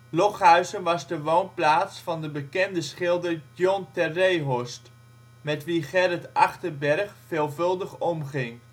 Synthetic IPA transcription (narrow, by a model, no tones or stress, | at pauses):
lɔχɦœɥzənʋɑzdəʋownplaːtsfɑndəbəkɛndəsχɪlˠdəɹɔntɛrejɦɔst | mɛtʋiχɛɾətɑχtəɹbɛɹχfeːlˠvɵlˠdəχɔmχɪŋ